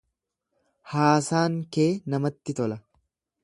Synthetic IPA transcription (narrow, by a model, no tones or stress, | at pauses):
haːsaːŋkeːnɐmɐt̪ːɪt̪ɔlɐ